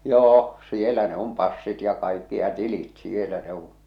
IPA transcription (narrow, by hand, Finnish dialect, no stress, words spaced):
joː sielæ ne om pɑsːit jɑ kɑikːi jɑ tilit sielæ ne un̞